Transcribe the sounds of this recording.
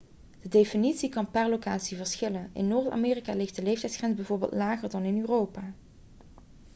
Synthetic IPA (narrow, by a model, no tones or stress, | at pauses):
d̥ədejfinitsikɑnpɛɹlokaːtsivəɹsxɪlənʔɪ̰nːoːɹta̰ːmeːrikaːlɪxt̚dəlejftɛjtsχrɛnzbɛjvʊːɹbḛlˠtlaːɣəɹdɑnɪnyːrowpaː